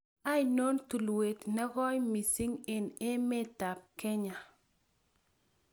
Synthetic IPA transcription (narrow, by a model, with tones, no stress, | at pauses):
a˦jno˦nt̪u˨lwe˨t̪nɛ˦kɔ˦jmi˨si˦ŋɪ˨nɪ˦mɪ˦ta˨p̚kɛ˦ɲa˨